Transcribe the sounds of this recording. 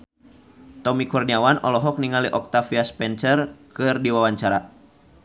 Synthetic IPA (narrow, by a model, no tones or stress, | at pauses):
t̪ɔmikurniawanɔ̰lɔɦɔk̚niŋaliʔɔk̚t̪afiaspɛnt͡ʃərkɨrdiwawaɲt͡ʃaɾa